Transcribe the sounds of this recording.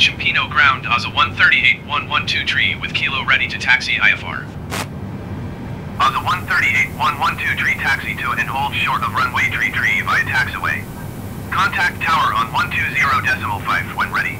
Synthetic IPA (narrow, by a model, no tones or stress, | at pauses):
ʃɨ̃mpʰĩñoʊɡɹãʊ̃ndɑzəwʌ̃nθɜ˞ɾieɪt̚wʌ̃nwʌ̃ntʰʉtʰɹ̥iwɨð̥kʰilˠoʊɹɛɾiɾɨtʰæksia̰ɪɛfɑ̰ɹ | ɔzəwʌ̃nθɜ˞ɾieɪt̚wʌ̃nwʌ̃ntʰʉtʰɹ̥itʰæksitʰɨʊɨ̃nhoʊlˠd̥ʃɔɹɾʌvɹʌ̃nweɪtʰɹ̥itʰɹ̥ibaɪɨtʰæksəwḛɪ | kʰɑ̃ntʰæk̚tʰaʊə˞ə̃nwʌ̃ntʰʉzɪɹoʊdɛsəml̩ˠfaɪvwɛ̰̃nɹɛɾḭ